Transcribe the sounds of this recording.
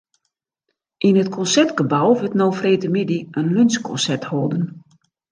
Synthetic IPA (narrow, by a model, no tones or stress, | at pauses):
ʔinətkʰɔnsɛtɡəbawʋətnoːfreːtəmidiənlønskʰɔ̰nsɛthoːdən